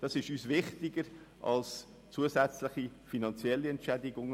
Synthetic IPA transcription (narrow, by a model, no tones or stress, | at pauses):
d̥ɑsɪʃyːsvɪχtɪɡəɾ | ʔɑ̰ls | t͡suəsɛt͡slɪχifinɑnt͡sjɛlːiɛntt͡ʃʃɛdɪɡʊŋ